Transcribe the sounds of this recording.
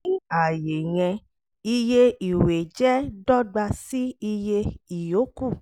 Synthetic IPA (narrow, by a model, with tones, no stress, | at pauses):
i˦a˨je˨j̃ɛ̃˧ | i˧je˦i˨we˨d͡ʒɛ˦dɔ˦ɡ͡ba˧si˦i˧je˧i˨jo˨˦ku˦˨